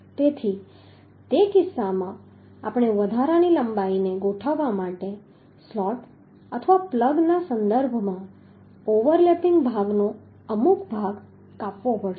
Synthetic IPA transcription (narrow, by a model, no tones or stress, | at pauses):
t̪et̪ʰi | t̪ekɪsːamã | apɳ̃eʋəd̪ʱaɾaniləmbaineɡoʈʰəʋːamaʈe | slɔʈ | ət̪ʰəʋapləɡnasənd̪əɾbʱmã | oʋəɾlepɪ̃ŋɡbʱaɡno | əmukbʱaɡ | kapʋopəɽʃ